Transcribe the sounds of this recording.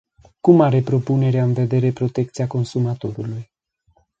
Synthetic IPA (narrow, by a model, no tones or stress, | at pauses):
kumaɾe̞pɾo̞pune̞ɾeaɨnve̞d̪e̞ɾe̞pɾo̞t̪e̞k̚t̪sijako̞nsumat̪o̞ɾuluj